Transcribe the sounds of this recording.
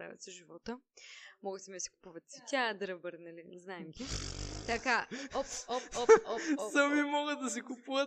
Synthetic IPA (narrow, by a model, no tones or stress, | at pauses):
ɾa̰vʲɛ̰t̪sɛʒivɔt̪əmɔɡəsɛmisi̥ku̥puvət̪sit̪ʲad̪ɾɐbəɾnɐliznaɛmɡʲit̪ɐka | səmimɔɡəd̪ɐs̬ikupuvət̪